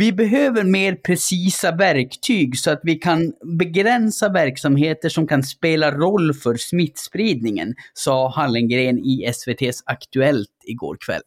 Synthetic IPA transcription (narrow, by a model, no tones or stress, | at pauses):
vɪbɛɦøːvəɾmeːɾpʰɾɛsiːsavæɾkt̪ʰyːɡsɔat̪vɪkʰanbɛɡɾɛnsavæɾksamɦeːt̪əʂɔmkʰanspeːlaɾɔlːfœɾsmɪt̪ːspɾiːd̪̚nɪŋə̰nsɑːhalːɪnɡɾeːnɪɛsveːt̪ʰeːsakt̪ɵɛlt̪ɪɡo̰ːɾkʰvɛ̰lː